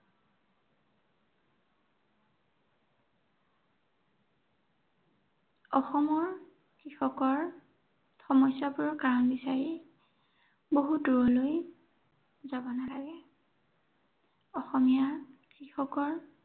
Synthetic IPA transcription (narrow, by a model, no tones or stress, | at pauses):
ɔxɔmɔɹ | kɹixɔkɔɹ | xɔmɔjsapʊɹɔkaɹɔnbisaɹi | boɦuduɹɔloj | zabɔnalaɡɛ | ɔxɔmijakɹixɔkɔɹ